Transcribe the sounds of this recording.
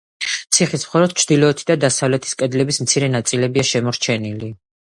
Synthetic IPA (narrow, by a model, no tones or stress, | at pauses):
t̪sʰiχismχɔlɔd̪̚t͡ʃʰd̪ilɔɛt̪ʰid̪ad̪asavlɛt̪ʰi̥skʼɛd̪lɛbismt̪sʰiɾɛnat̪sʼilɛbiaʃɛmɔɾt͡ʃʰɛnili